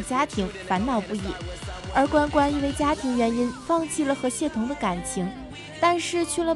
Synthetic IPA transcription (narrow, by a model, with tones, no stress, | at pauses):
t͡ɕja˥t̪ʰi˧˥ŋfa˧˥nnɑ˥˩ʊpu˥˧i˥˩ə˞˧˥kwa˥nkwa˥ni˥˧we˥˧ɪt͡ɕja˥t̪ʰi˧˥ŋɥɛ˧˥ni˥nfɑ˥˧ŋt͡ɕʰi˥˩lə˩xɤ˧˥ɕjɛ˥˩t̪ʰʊ˧˥ŋd̪ə˧ka˨˩nt͡ɕʰi˧˥ŋ | t̪a˥˧nʂɻ̩˥˧t͡ɕʰy˥˩lə˩